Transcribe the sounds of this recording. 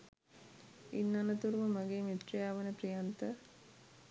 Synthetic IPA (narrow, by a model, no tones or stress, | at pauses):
inːanət̪uɾuməmaɡeːmit̪rijaːʋənəprijant̪ə